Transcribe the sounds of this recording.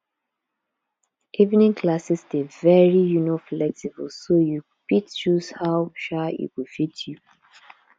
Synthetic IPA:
ivnĩŋkʰlasisdevɛɹijunoflɛk̚sibəlsoju | fitt͡ʃuzhaʊʃaḭtwifitʰju

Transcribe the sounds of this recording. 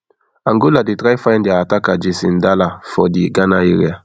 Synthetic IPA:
aŋɡoladitɾaifandiatakad͡ʒisḭn̩dalafɔdiɡanajiɾḭa

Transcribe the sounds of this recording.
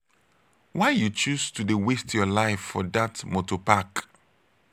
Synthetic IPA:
waɪjut͡ʃustudewestjɔlaɪfːɔdatmotɔpak

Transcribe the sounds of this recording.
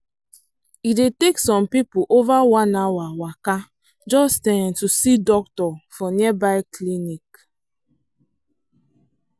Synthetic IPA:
ideteksɔ̃mpipuʔovawanawawaka | d͡ʒɔstɛntusidɔk̚tɔfɔniɛbaɪklinik

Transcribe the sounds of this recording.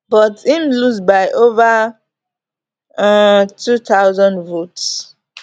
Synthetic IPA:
bʌtimlusbaɪʔovə | tʰutaʊzə̃ndvots

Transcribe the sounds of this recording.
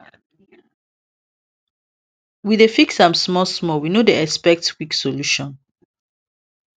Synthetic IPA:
wiðefiksãmsmɔsmɔwinodeɛspɛk̚tkwiksoluʃɔ̃n

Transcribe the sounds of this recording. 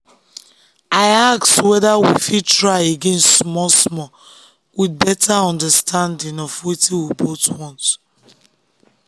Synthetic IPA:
aɪakswɛðawifid̚tɹaɪeɡẽnstːmɔsmɔ | wid̚bɛtʰaɔ̃ndəstʰãndĩŋɔfwitiwibotwɔ̃nt

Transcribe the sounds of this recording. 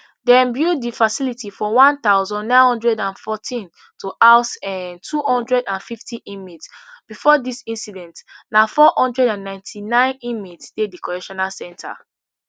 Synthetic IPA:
dɛ̃mbjudifasilitifɔwãnt̪aʊzɔ̃nnãɪ̃nhɔ̃ndɹɛdãnfɔtʰĩn | tʰuʔaʊsɛ̃ntʰuhɔ̃ndɹɛdãnfiftʰiʔĩmitsb̥ifɔdisĩnsidɛ̃ntnafɔhɔ̃ndɹɛdãnːãɪ̃ntʰinãɪ̃nĩmitsdedikɔɹɛʃɔnalsɛ̃ntʰa̰

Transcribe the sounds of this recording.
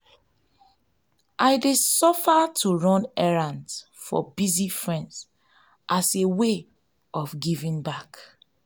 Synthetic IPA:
ʔaɪdesɔfatʰuɹɔ̃nɛɹãnd | fɔ̰bizifɹɛ̃ndz | ʔasewe | ɔfɡivĩŋbak

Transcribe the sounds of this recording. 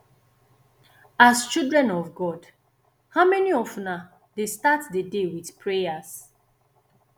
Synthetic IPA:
ast͡ʃildɹɛ̃nɔvɡɔd | haʊmɛniɔfna | destatdədewiθpʰɹejas

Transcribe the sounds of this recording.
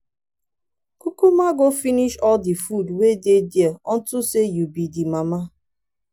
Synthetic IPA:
kukumaɡofiniʃɔldifudwededieɔn̩tʊsejubidimama

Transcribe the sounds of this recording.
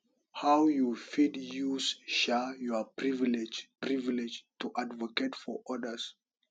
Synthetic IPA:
hawjufidjusʃajɔpɹivilɛd͡ʒpɹivlɛd͡ʒtuʔadvɔketfɔʔɔdəs

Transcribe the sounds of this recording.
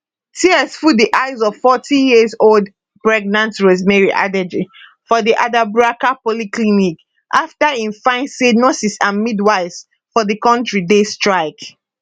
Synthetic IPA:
tʰiɛsfudiʔaɪzɔv̥fɔtʰĩjizold | pɹɛɡ̚nãntɹɛzmɛɹiʔa̰dɛd͡ʒi | fɔðiʔadabɹakapɔliklinik | ʔaftaĩnfãɪ̃nsenɔsisamidwaɪz | fɔðikɔ̃ntɹidestɹaɪk

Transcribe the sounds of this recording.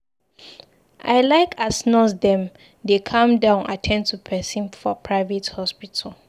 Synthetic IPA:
ʔa̰ɪlaɪkʰasnɔsdɛ̃m | dekʰãmdãʊ̃na̰tʰɛ̃ntʰupʰɛsĩnfɔpʰɹaɪvɛthɔspitʰal

